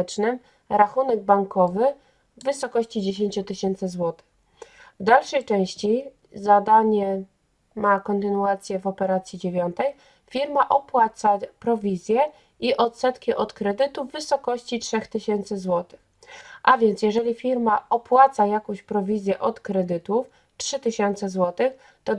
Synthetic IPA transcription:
t͡ʂnɘm | ɾaxunɛɡ̚baŋkɔvɘː | ɘsɔkɔɕt͡ɕid͡ʑeɕeɲt͡ɕut̪ɘɕɛnt̪sɘzwɔt̪ɘ̥x | vd̪alʂɛjt͡ʂɛ̃w̃ɕt͡ɕi | zad̪aɲɛ | makɔnt̪ɘnuat̪sʲjɛvɔpɛɾat̪sʲjid͡ʑevʲjɔnt̪ɛj | fʲiɾmaʔɔpwat̪sapɾɔvʲizʲjɛ | iʔɔt̪sɛt̪kʲiʔɔt̪kɾɛd̪ɘt̪uvːɘsɔkɔɕt͡ɕitʂɛxt̪ɘɕɛnt̪sɘzwɔt̪ɘ̥x | ʔavʲjɛnt̪sʲjɛʐɛlʲifʲiɾmaɔpwat̪sajakɔ̃w̃ɕpɾɔvʲizʲjɛʔɔt̪kɾɛd̪ɘt̪uf | tʂɘt̪ɘɕɛnt̪sɛzwɔt̪ɘx | t̪ɔ

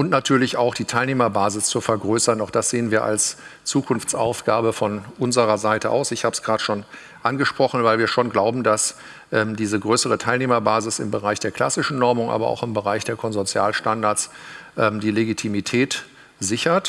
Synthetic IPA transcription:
ʔʊntnatʰyːɐlɪçaʊxd̥iːtʰaɪlneːmɐbaːzɪst͡sufɛɐɡʁøːsɐnaʊxd̥asz̥eːənviːɐʔa̰lst͡suːkʰʊnft͡sʔa̰ʊfɡ̥aːbəfɔnʔʊnzəʁɐzaɪtəʔa̰ʊsɪçhaːbə̥sɡ̥ʁaːdə̥ʃoːn | ʔanɡəʃpʁ̥ɔχn̩vaɪlviːɐʃoːnɡlaʊbm̩das | ʔɛmdiːzəɡʁøːsəʁətʰaɪlneːmɐbaːzɪsɪ̰mbəʁaɪçd̥eːɐkʰl̥asɪʃn̩nɔɐmʊŋʔa̰ːbɐ̰ʔa̰ʊxɪmbəʁaɪçd̥eːɐkʰɔnzɔt͡sjaːlʃtandaɐt͡sʔɛmdiːleɡitʰimitʰɛːt | zɪçɐt

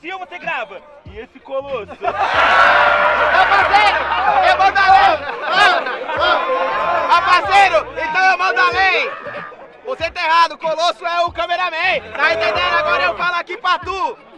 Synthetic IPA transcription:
sĩɐvoseɡɾavɐ | ɪesɪkolosʊ | vɐ̃pasejɾʊewmɐ̃d̪ʊalẽjvɐ̃vɐ̃w | ãpasejɾʊẽt̪ɐ̃w̃ewmɐ̃d̪alej | voset̪ẽeɦad̪ʊkolosʊɛʊkɐ̃meɾamẽt̪ãẽt̪ẽd̪eɾaɡɔɾɐewfalakipɾat̪u

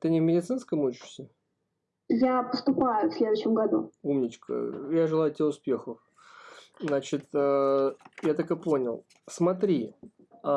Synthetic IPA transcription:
t̪ɨnʲɪvʲmʲɪdʲɪt̪sɨnskəmut͡ɕɪ̥ʂsʲə | japəst̪ʊpajʊfsʲlʲed̪ʊɕːɪmɡɐd̪ṵumnʲɪt͡ɕkə̰jaʐɨlˠajʊtʲeʊspʲe̞xəf | znat͡ɕɪt̪əjat̪akɨpo̞nʲɪlˠ | smɐt̪̬ɾʲi

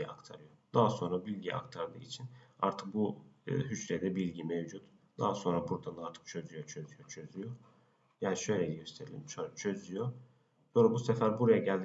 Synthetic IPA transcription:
a̰kt̪ʰaɾɯjo̞d̪aɦaso̞nɾabilʲɟijʔa̰kt̪ʰaɾd̪ɯ̰ːit͡ʃʰina̰ɾt̪ʰɯ̥k̚bṵɦyt͡ʃled̪ɛbilʲɟimevd͡ʒut̪d̪̥a̰ɦaso̞nɾabuɾd̪anaɾt̪ʰɯ̥k̚t͡ʃʰø̞zyjot͡ʃʰø̞zyjot͡ʃʰø̞zyjo | jaːniʃø̞jlʲejiɟøst̪ʰe̞ɾilʲimt͡ʃot͡ʃʰø̞zyjo | so̞nɾabusefæɾbuɾajaɟælʲd̪

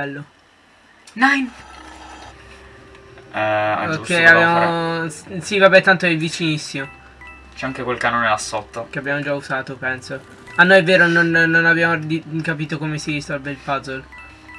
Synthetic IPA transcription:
ɛlːo | najn | ɛa̰okʰːɛjavbjaːmo | sivabɛt̪ːant̪oɛvːit͡ʃinisːimo | t͡ʃɛaŋkekwelkanoːneasːot̪ːakeabːjaːmod͡ʒauzaːt̪opɛnso | anːojɛvːeːɾononnːonabjaːmod̪ikapiːt̪okomesiist̪albelpazol

